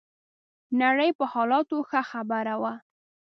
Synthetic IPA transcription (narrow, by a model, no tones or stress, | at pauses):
naɽəjpəhɑlɑt̪oxəxabaɾawa